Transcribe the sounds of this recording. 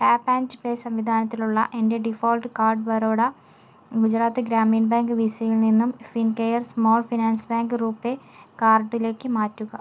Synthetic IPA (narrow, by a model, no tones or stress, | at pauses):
kaːpːaːnd͡ʑɨpeːsɐmʋid̪ʱaːnɐt̪ːiluɭːɐ̰ʔe̞nde̞ɖifo̞ːlʈɨkaːrɖɨbɐɾoːɽɐ | ɡud͡ʑɾaːt̪ːɨɡɾaːmiːnbaːŋɡɨʋisɐjilninːumfinkejɐrsmoːlfinaːnsbaːŋɡɨruːpːe̞ | kaːrɖile̞ːkːɨmaːtːuɣɐ